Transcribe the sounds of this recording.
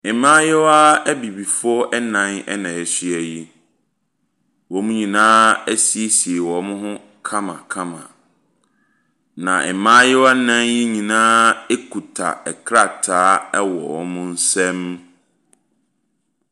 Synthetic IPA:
ɛ˨mãː˦jɛ˦wa˦æ˦bi˨bi˨fʊ˦ɔ˦ʔɛ˦nã˨˦nɛ̰˦nã˨ɛ˨si˦ɛ˨ji˦ | wɔ˨˦mũ˦ɲĩ˨nãː˦æ˦si˨e˦si˨e˨wɔ˨˦mʊ̃˦ɦʊ̃˦ | kʰã˦mã̰˨kʰã˦mã̰˨ | nã˨ʔɛ̰˨mãː˦jɛ˦wa˦nã˦nji˦ɲĩ˨nãː˦e˦kʰu˨tʰa̰˨ɛ˨kʰɾa˦˨tʰaː˨˦ɛ˦wɔ̰˨wɔ̰˦mʊ̃˦n̩˦sɛ̃˦m

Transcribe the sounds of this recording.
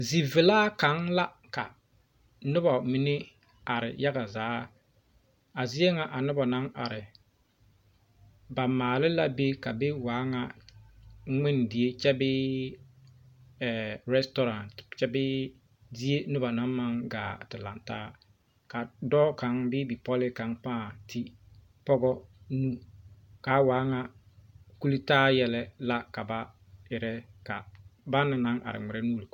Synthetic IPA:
zi˨vɪ˨laː˦ka˨˦ŋla˦ | ka̰˨ | nʊ˦ba˨mi˨nɪ˦ | a˨ɾɪ̰˨ja˦ɡa˨zaː˨˦ | a˨zi˦e˦ŋa˨ʔa˨nʊ˦ba˨na˦ŋa̰˨ɾɪ˨ | ba˨maː˨lɪ˦la˦be˦ka˨be˦waː˨˦ŋa˦ | ŋɪ˦n˨dɪ˨e˦t͡ʃɛ˦bɪ˦ | ɛ˨ɾɛ˦stɔ˦ɾa˨ntt͡ʃɛ˦bɪ˦ | di˦e˦nʊ˦ba˨na˦ma˦ŋɡa̰ː˨tɪ˨la̰˨nta̰ː˦ | ka˨dɔː˦ka˨˦ŋbɪ˦bi˨pɔ˦lɪ˦ka˨˦ŋpãː˦˨tʰɪ˦ | pɔ˦ɡɔ˦nu˦ | ka˨˦waː˨˦ŋa˦ | ku˦li˦taː˦jɛ˨lɛ˦la˦ka˨ba˦ | ɪ˨ɾɛ˦ka˨ba˦nɪ˨na˦ŋʔa̰˨ɾɪ̰˨ŋɪ˨ɾɛ˦nuː˦li˨

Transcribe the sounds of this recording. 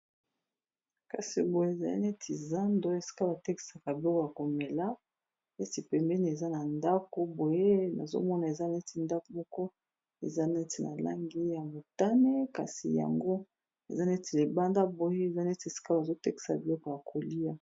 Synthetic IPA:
ka˨si˨bo˨je˦˨za˨lḭ˦ne˦tʰi˨za˦ndo˨˦e˨si̥˦ka˦ba˨tɛ˦ki̥˨sa˨ka˨bi˨lo˦ko˨ja˨ko˨mɛ˨la˦ | ne˦ti˨pɛ˨mbɛ˦ni˨e˨za˦na˨nda˦ko˦bo˨je˦na̰˨zo̰˦mɔ˦na˨e˨za˦ne˦ti˨nda˦ko˨mɔ˦kɔ˦ | ḛ˨za˦ne˦ti˨na̰˨la̰˦ŋɡi˦ja˨mo˨ta˦ne˦ka̰˨si˨ja̰˨ŋɡo˦ | ḛ˨za˦ne˦ti˨le˨ba˦nda˦bo˨je˦e˨za˦ne˦ti˨e˨si̥˦ka˦ba˨zo˦tɛ˦ki̥˨sa̰˨bi˨lo˦ko˨ja˨kʰo˨li˦ja˦

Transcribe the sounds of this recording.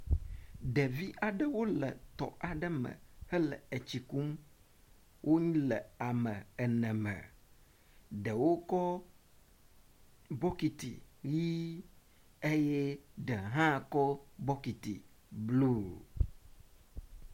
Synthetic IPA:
ɖɛ˨vi˦ʔa˨ɖə˦wo˦lə̰˨t̪ɔ̰˨ʔa˨ɖə˦mə̰̃˨hə˦lɛ̰˨ə˨t͡ɕi˨ku˦m | wʔo˦ɲĩ˦lɛ˨a˨mə̃˨ɛ˨nɛ̃˨mɛ̰˨ | ɖə˨wo˦kɔ˦ | bɔ˦ki˨t̪ḭ˨ji˦ | e˦jɛ˦ɖɛ˨ɦã˦˨kɔ˦bɔ˦ki˨t̪ḭ˨ | blu˦˨

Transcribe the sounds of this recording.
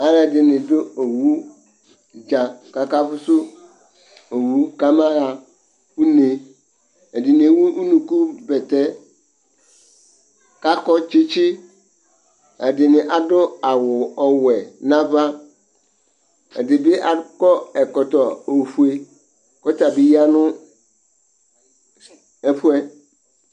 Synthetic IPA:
a˦la˨dɪ˨nɪ̃˨dʊ˦o˨wu˦ | d͡ʒa˨ka˨ka˦fʊ˦sʊ˦ | o˨wu˦ka˦mã˦a˨ | u˦ne˨ | ɛ˨dɪ˨nɪ̃˨˦wu˦u˦nũ˨ku˦bɛ˨tɛ˦ | ka˦kɔ˦t͡ʃi˦t͡ʃi˦ | a˨dɪ˨nɪ̃˨ʔa˨dʊ˦a˨wʊ˨ɔ˨wɛ˨nã˦va˦ | ɛ̰˨dɪ˨bɪ˦ʔa˨kɔ˦ɛ˨kɔ˨tɔ˨o˨fu˦e˦ | kɔ˦ta˨bi˨ja˦nʊ̃˦ | ɛ˦pu˦ɛ˦

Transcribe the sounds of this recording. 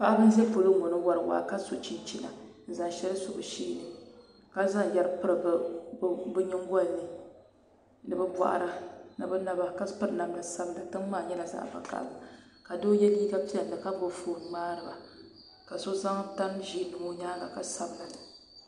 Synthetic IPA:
pa˦ʔa˦bɨ˦n˦zɛ˦po˨lo˦ŋo˨nɨ˦wa˨ɾɨ˨wa̰˨ka˦so˨t͡ʃi˦t͡ʃi˦la̰˨n̩˨za˨ŋ˨ʃɛ˦lɨ˦sʊ˨bʊ˨ʃiː˦˨nɨ˨ | ka˦za˦ŋ˨jɛ˦ɾɨ˦pɨ˦ɾɨ˨b | bɨ˦ɲɪ˦ŋ˦ɡɔ˦˨nːɨ˦ | nɨ˨bɨ˦bʷa̰˨ʔa̰˨ɾa˦nɨ˨bɨ˦na˦ba˦ka˦pɨ˦ɾɨ˨˦na˨mla˨sa˦bla˨tɨ˦ŋmaː˦˨ɲɛ˦la˨za̰ː˦ba̰˨ka̰˨ʔba˨ka˨do˦jɛ˦liː˦ɡa˦pi˦a˨n˨dɨ˨ka˦m˦bo˨foː˨n˨maː˦ɾɨ˨ba˨ | ka˨so˦za˦ŋ˦ta˦mʒi˦nɨ˨mo˦ɲaː˦la̰˨ka˨sa˦bla˨

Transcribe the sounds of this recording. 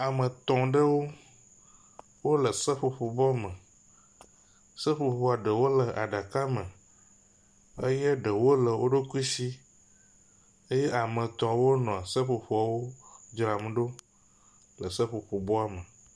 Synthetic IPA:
a˨mə̃˨t̪ɔ̃˨ɖə˦wo˦ | wo˦lə˨sə˦ɸo˨ɸo˨bɔ˦mə̃˨ | sə˦ɸo˨ɸɸo˨a˨ɖə˨wo˦lə˨ʔa̰˨ɖa˨ka˦mə˨ | ə˦je˦ɖə˨wo˦lə˨wʔo˦ɖo˦ku˦i˦si˦ | ə˦je˦ʔa˨mə̃˨t̪ɔ̃˨wo˦nɔ̃˨a˨sə˦ɸo˨ɸo˨a˨wo˦d͡ʒɾa˨m˨ɖo˦ | lə˨sə˦ɸo˨ɸo˨bɔ˦a˨mə˨

